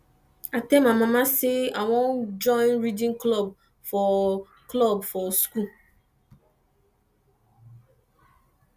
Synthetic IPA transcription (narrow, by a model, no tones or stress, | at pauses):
atɛmamamaseawɔnd͡ʒɔɪ̃nɾidĩŋklɔb̚ | fɔ | klɔbfɔsku